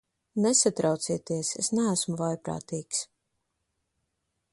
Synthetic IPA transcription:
nɛsat̪ɾawt̪siɛt̪iɛsesnæːsmuvajpɾa̰ːt̪iːks

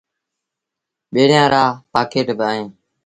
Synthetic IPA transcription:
ɓeːɽjãːɾaːpaːkeːʈbaːɦẽː

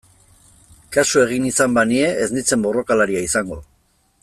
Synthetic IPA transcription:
kasue̞ɣ̞inisambanie̞ʔeznit͡se̞mbo̞ro̞kalaɾiaisaŋɡo̞

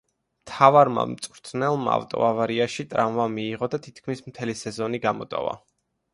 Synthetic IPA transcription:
mt̪ʰavaɾma̰mt̪sʼvɾt̪ʰnɛlˠmaa̰vt̪ʼɔ̰avaɾiaʃit̪ʼɾanvamiːʁɔd̪at̪ʰit̪ʰkʰmismt̪ʰɛlisɛzɔniɡamɔt̪ʼɔ̰va̰

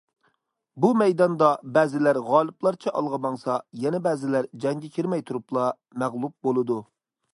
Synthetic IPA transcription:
bumɛjd̪ɑnd̪ɑbɛːzɪlæɾʁɑːlˠɨplˠɑɾt͡ʃʰɛʔɑlˠʁɑbɑŋsɑjɛnɛbɛːzɪlæɾd͡ʒɛŋɡʲɛkʲʰiɾmɛjt̪ʰuɾuplˠɑ | mæʁlˠup̚bolˠɨd̪u

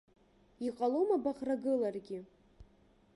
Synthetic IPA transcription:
iqʼalomabaʁraɡɨlarɡʲɪ

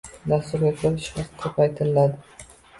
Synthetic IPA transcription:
d̪ast̪ʊɾɡʲakʲʰeɾɪʃχɑqʰːɨpʰɑjt̪ʰɪllad̪ɪ

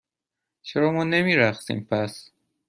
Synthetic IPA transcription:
t͡ʃʰeɾɒːmɒːnemiːɾæxsḭːmpʰæs

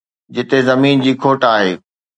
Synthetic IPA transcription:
d͡ʑɪt̪ezɐmiːnd͡ʑiːkʰoːʈaːɦeː

